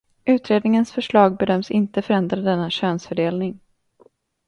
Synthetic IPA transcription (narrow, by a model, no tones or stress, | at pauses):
ʉ̟ːt̪ɾeːd̪nɪŋənsfœʂɭɑːɡ̚bɛd̪œmsɪnt̪əfœɾɛnd̪ɾad̪ɛnːaɕøːnsfœɖeːlnɪŋ